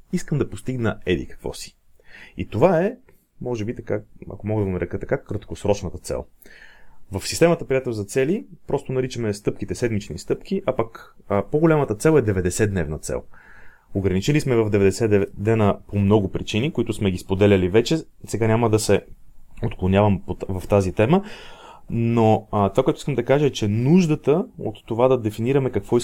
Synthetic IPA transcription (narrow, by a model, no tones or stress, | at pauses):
iskəmd̪ɐpost̪iɡnəɛd̪ḭkə̥kvɔ̰si̥ | ḭt̪ovaɛ | mɔʒɛbit̪ɐkaɐ̰komɔɡəd̪ɐɡonɐɾɛkət̪ɐkakɾət̪kosɾɔt͡ʃnət̪ət̪sɛ̰lˠ | vəfsist̪ɛmət̪əpɾijat̪ɛlˠzɐt̪sɛlipɾɔst̪onɐɾit͡ʃəmɛst̪ɤpkit̪ɛsɛd̪mit͡ʃnist̪ɤpk̟iʔapakpoɡolʲamət̪ət̪sɛlˠɛd̪ɛvɛd̪ɛsɛd̪nɛvnət̪sɛ̰lˠ | oɡɾɐnit͡ʃɛlismɛvɐvd̪ɛvɛd̪ɛsɛd̪ɛd̪ɛnəpomnɔɡʊpɾit͡ʃinikoit̪ʊsmɛɡʲispod̪ɛlʲɐlivɛt͡ʃɛ | sɛɡanʲaməd̪ɐsɛot̪klˠonʲjavɐmpovɐft̪azit̪ɛmə | not̪ovakotʊiskəmd̪ɐkaʒəɛt͡ʃɛnuʒd̪ət̪əo̰t̪ːovad̪ɐd̪ɛfiniɾɐmɛkɐkvɔi